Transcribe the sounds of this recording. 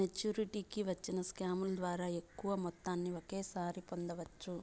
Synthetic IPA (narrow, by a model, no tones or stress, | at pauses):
met͡ʃjuːɾiʈiːkiʋɐt͡ʃːinɐskaːmulɐd̪ʋaːɾaːe̞kːuʋɐmɔt̪ːaːnːiokeːsaːɾipɔnd̪ɐʋɐt͡ʃːu